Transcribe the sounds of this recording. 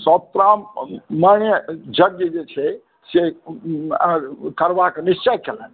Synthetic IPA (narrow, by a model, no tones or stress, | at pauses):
sɔ̃t̪ɾammənjəd͡ʒəɡ̚d͡ʒjed͡ʒet͡ʃʰɛ | se | kəɾbaknist͡ʃəkelə̃n